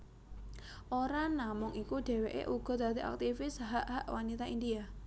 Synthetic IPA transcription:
ʔoɾanamʊŋikuɖ̥e̤weʔḛʔuɡ̥ɔ̤d̪̥at̪iʔa̰k̚t̪ifɪsɦaʔɦaʔwanit̪aindia

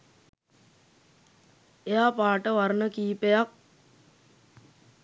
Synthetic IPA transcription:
ejaːpaːʈəʋaɾnəkiːpejak̚

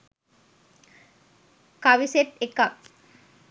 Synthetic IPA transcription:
kaʋiseʈekak

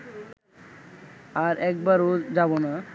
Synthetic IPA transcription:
aɾɛk̚baɾod͡ʑabona

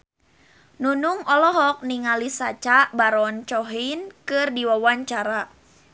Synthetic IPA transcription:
nunuŋɔlɔɦɔk̚niŋalisat͡ʃaʔbaɾɔnt͡ʃɔɦinkɨrdiwawaɲt͡ʃaɾa

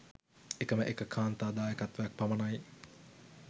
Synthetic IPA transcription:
ekəməʔekəkʰaːnt̪aːd̪aːjəkat̪ʋɐjak̚pamɐnaj

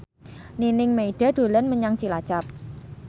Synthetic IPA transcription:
ninɪŋmeiɖ̥a̤ɖ̥o̤lənməɲaŋt͡ʃilat͡ʃap̚

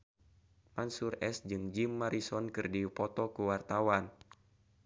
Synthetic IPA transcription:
mansurɛsd͡ʒɨŋd͡ʒimːaɾisɔnkɨrdipɔt̪ɔkuwart̪awan

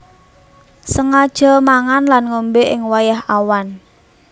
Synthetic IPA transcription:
səŋad̥ʒ̥ɔ̤maŋanlanŋombeʔɪŋwajaɦawan

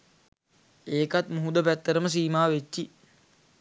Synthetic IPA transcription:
eːkat̪muɦud̪əpæt̪ːəɾəməs̬iːmaːʋet͡ʃːi

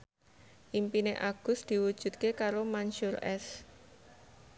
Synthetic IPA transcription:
ʔimpineʔaɡ̥ʊ̤sd̪̥i̤wud̥ʒ̥ṳt̪̚kekaɾomanʃʊrɛs

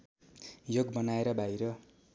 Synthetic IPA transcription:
joɡbʌnaeɾʌbʱajɾʌ

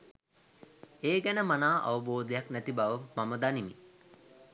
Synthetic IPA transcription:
eːɡɛnəmanaːʔa̰ʋəboːd̪ejaknæt̪ibaʋəmaməd̪animi

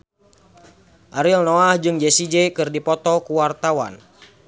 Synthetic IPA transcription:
ʔaɾilnoahd͡ʒɨŋd͡ʒesid͡ʒekɨrdipɔt̪ɔkuwart̪awa̰n

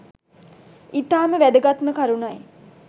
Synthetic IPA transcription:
it̪aːməʋæd̪əɡat̪məkaɾunaj

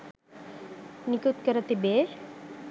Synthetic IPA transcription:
nikut̪kəɾɐt̪ibe

